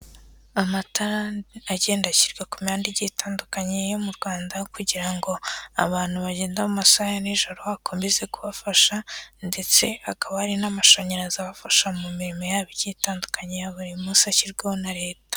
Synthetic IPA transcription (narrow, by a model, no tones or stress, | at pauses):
amataaɟe̞ːndaciɾɡakumaːndiɟitaːndukaɲejo̞muɾɡwaːndakuɟiɾaŋɡo̞a̰βaːn̥huβaɟeːndamumasajaniʒo̞ɾo̞akʰombize̞kuβafaʃande̞t͡se̞akaβahaɾinamaʃoɲeɾazaβafaʃamumiɾimo̞jaːβiɾɟiːtaːndukaɲejaβuɾimusaciɾɡaonaɾe̞ːtḁ